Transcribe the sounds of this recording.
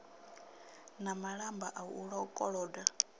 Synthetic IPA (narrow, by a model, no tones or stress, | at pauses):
namaɺambaʔauɺaukʼɔɺɔda